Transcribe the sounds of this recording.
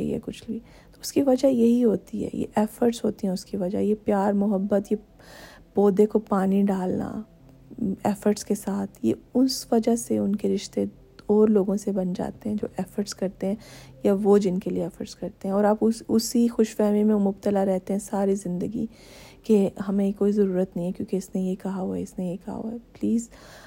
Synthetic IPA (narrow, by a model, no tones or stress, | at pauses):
ḭɛ̰kʊt͡ʃʰliː | t̪oːʊskiʋɐd͡ʒajɐɦiɦoːt̪iɦɛ̰ːjḛʔɛːfəɾʈsɦoːt̪iɦɛ̃ʊskiʋɐd͡ʒa̰jepjaːɾmʊɦəbːət̪je | poːd̪ekopaːniɖaːlna̰ | ɛːfəɾʈskesaːt̪ʰjḛʊsʋɐd͡ʒaseʊnkeɾɪʃt̪e | ɔːɾloːɡõsebɐnd͡ʒa̰ːt̪eɦɛ̃d͡ʒo̰ːʔɛːfəɾʈskɐɾt̪eɦɛ̃jaʋod͡ʒɪnkelieɛːfəɾʈskɐɾt̪eɦɛ̃ɔːɾaːpʊʊsixʊʃfɛɦmimẽmʊb̚t̪əlaɾɛɦt̪eɦɛ̃saːɾizɪ̃nd̪əɡḭ | keɦɐmẽekoːizɐɾuːɾət̪nɐɦĩɦɛ̃kjõːkeɪsnejekɐɦaɦuɛɪsnejekɐɦa̰ɦuɛpliːz